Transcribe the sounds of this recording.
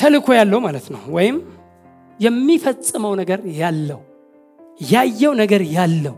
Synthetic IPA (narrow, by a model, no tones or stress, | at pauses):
t̪ʰəlɨkʰo̞jalːəhumalət̪nəwwɔjɪm | jɛmːifəsʼːɨməwnəɡəɾjalːəhu | jajːɛwnəɡəɾjalːəhu